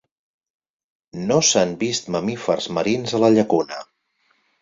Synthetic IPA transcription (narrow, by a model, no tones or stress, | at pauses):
nosanbist̪məmifərzməɾinzələʎəkunə